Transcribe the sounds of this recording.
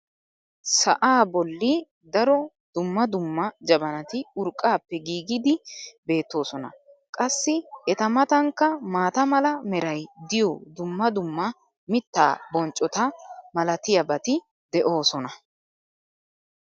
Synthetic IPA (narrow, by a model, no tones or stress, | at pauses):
sɐʔaːbɔlːɪ | d̪ɐɾɔ | d̪̥ʊmːɐd̪ʊmːɐd͡ʒɐbɐnɐt̪ɪʊɾkʼːaːpːɛɡiːɡɪd̪ɪbe̞ːt̪ːo̞ːsɔnɐ̰ | kʼɐsːɪɛt̪ɐmɐt̪ɐŋkːɐmaːt̪ɐmɐlɐmɛɾɐjd̪ɪjɔd̪ʊmːɐd̪ʊmːɐ | mɪt̪ːa̰ːbɔnt͡ʃʼːɔt̪ɐmɐlɐt̪ɪjɐbɐt̪ɪ | d̪ɛʔo̞ːsɔnɐ